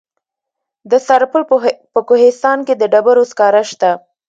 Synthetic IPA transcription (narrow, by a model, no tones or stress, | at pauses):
d̪əsaɾpəlpəkohɪst̪ɑnked̪əɖabaɾoskɑɾaʃt̪a